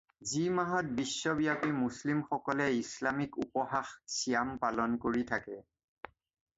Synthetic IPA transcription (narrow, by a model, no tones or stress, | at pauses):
zimaɦɔt̚bisːɔbijapimuslimxɔkɔlɛislamikṵpɔxaxsijampalɔnkoɹitʰakɛ